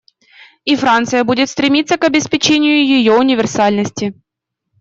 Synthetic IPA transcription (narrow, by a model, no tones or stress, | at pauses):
ifɾant̪sɨjəbudʲɪt̪st̪ɾʲɪmʲit̪sːəkɐbʲɪspʲɪt͡ɕenʲɪjʊjɪjoʊnʲɪvʲɪrsalʲnəsʲtʲɪ